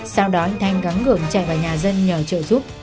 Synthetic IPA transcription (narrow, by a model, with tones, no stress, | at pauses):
sa˧wɗɔ˨˦i˧˨t̪ʰa˨˧jŋɣa˨˦ŋːɨ˧˩əŋt͡ɕa̰˧˨jvaː˨˩ɲaː˨˩zə˧nɲəː˨˩t͡ɕə̰ː˧˨zu˦˥p̚